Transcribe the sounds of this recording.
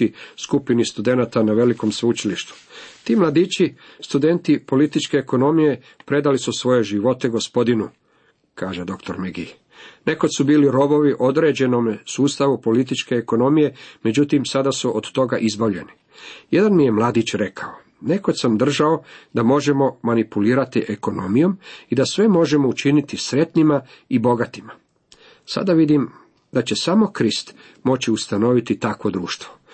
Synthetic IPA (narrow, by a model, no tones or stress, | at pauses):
iskupinist̪ud̪e̞nat̪anaʋe̞liko̞msut͡ʃiliʃt̪u̥t̪iːmlˠad̪iːt͡ɕist̪ud̪e̞nt̪ipolit̪it͡ʃke̞ːko̞no̞mije̞ | pɾe̞d̪alisusʋo̞je̞ʒiʋo̞t̪eɡo̞spo̞d̪inu | kaːʒed̪o̞kt̪o̞ɾmeɡi | ne̞kod̪subiːliɾo̞bo̞ʋiʔo̞d̪ɾe̞ːd͡ʑe̞no̞msuːst̪aʋupo̞lit̪it͡ʃke̞ːko̞no̞mije̞me̞d͡ʑut̪imsad̪asuʔod̪t̪o̞ɡaʔizboʋʎe̞̰ni | jed̪anmije̞mlˠaːd̪it͡ɕɾe̞kʰao | ne̞ko̞d̪samd̪r̩ʒao̞d̪amo̞ʒe̞mo̞manipuliːɾat̪iʔeko̞no̞mijo̞mid̪asʋe̞mo̞ʒe̞mo̞ut͡ʃinit̪isɾe̞t̪nimaibo̞ɡat̪ima | sa̰d̪aʋid̪im | d̪at͡ɕe̞samo̞kɾist̪ | mo̞t͡ɕiust̪ano̞ʋit̪it̪akʋo̞d̪ɾuːʃt̪ʋo̞